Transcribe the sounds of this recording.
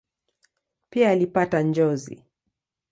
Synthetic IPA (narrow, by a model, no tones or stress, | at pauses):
piaːlipatand͡ʒɔzḭ